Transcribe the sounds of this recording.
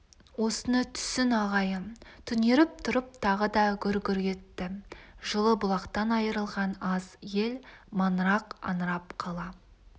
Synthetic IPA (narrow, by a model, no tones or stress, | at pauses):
wo̞sənət̪ʰʏ̥sɪnɑʁɑjət̪ʰʏne̞ɾɪp̚t̪ʰʊɾəp̚t̪ʰɑʁəd̪ɑɡʲʏɾɡʲʏɾɡʲe̞t̪ːɪʒəlˠəbʊlˠɑqt̪ɑnɑjəɾəlˠʁɑnɑzje̞lmɑnɾɑqɑ̰nɾɑpqʰɑlˠɑ